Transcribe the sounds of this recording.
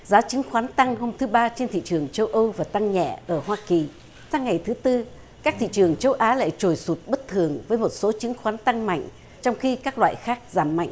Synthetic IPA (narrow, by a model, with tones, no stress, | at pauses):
zaː˨˦t͡ɕɨ˨˦ŋxwaː˨˦nt̪a˧ŋho˧mt̪ʰɨ˨˦ɓaː˧t͡ɕe˧nt̪ʰḭ˧˨t͡ɕɨ˨˩əŋt͡ɕə˧wʔə˧wvaː˨˩t̪a˧ŋɲɛ̰˧˨ʔəː˧˩ɦwaː˧ki˨˩ | saː˧ŋa˨˩jt̪ʰɨ˨˦t̪ɨ˧ | kaː˦˥k̚t̪ʰḭ˧˨t͡ɕɨ˨˩əŋt͡ɕə˧wʔaː˨˦la̰ː˧˥˨jt͡ɕo˨˩jsu˨˩t̚ɓə˦˥t̚t̪ʰɨ˨˩əŋvəː˨˦jmo˨˩t̚so˨˦t͡ɕɨ˨˦ŋxwaː˨˦nt̪a˧ŋma̰˧˨jŋ̟ | t͡ɕɔ˧wŋ͡mxi˧kaː˦˥k̚lwa̰ː˧˨jxaː˦˥k̚zaː˧˩mːa̰˧˨jŋ̟